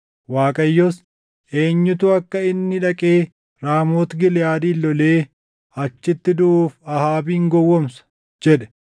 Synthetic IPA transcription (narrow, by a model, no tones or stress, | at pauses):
waːkʼɐjːɔs | ʔe̞ːɲːʊt̪ʊɐkːɐɪnːɪᶑɐkʼe̞ː | ɾaːmoːt̪ɡɪljaːd̪iːlːɔleː | ɐt͡ʃːɪt̪ːɪd̪ʊʔuːfɐhaːbiːŋɡɔwːɔmsɐ̥ | d͡ʒɛᶑɛ̥